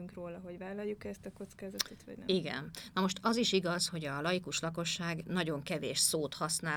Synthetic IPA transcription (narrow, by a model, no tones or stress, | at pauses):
yŋkroːlɒɦo̞ɟvaːlɒjːukɛst̪ɒko̞t̪skaːzɒt̪ot̪vɒ̰ɟnɛiɡɛ̰nnɒmo̞ʃt̪ɒziʃiɡɒzho̞ɟɒlɒjikuʃlɒko̞ʃːaːɡnɒɟo̞ŋkɛvḛːʃsoːt̪hɒsnaː